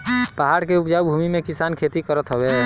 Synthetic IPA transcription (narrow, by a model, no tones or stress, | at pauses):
paɦaɾkeupd͡ʒawbʱumimẽkɪsankʰet̪ikəɾət̪ɦəbe